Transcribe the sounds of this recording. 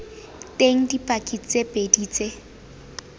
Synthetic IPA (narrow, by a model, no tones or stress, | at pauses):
tʼeŋ̩dipʼakʼit͡sʼepʼediːt͡sʼe